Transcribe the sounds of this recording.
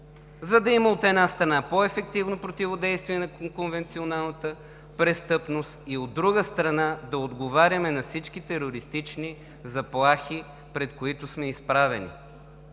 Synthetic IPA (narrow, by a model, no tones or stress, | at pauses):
zɐd̪ɐimɐot̪ɛnast̪ɾɐnapoɛfɛk̚t̪ivnopɾot̪ivod̪ɛjst̪viɛnɐkonvɛnt̪sionalˠnət̪ə | pɾɛst̪ɤpnost̪iod̪ːɾuɡəst̪ɾɐnad̪ɐod̪ɡovaɾʲəmɛnɐfsit͡ʃk̟it̪ɛɾoɾist̪it͡ʃni | zɐplˠaxi | pɾɛt̪koit̪ʊsmɛispɾavɛnḭ